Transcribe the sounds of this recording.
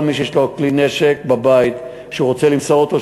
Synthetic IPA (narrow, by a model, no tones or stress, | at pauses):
miʃ̬ejeʃloklineʃek̚babait̪ | ʃeuʁot͡selimsoot̪o̞